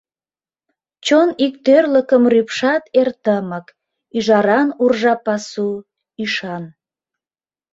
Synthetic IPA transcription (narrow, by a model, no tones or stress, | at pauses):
t͡ɕonik̚t̪ørləkəmrypʃɑt̪ert̪əmək | yʒɑɾɑnurʒɑpɑsu | iʃɑn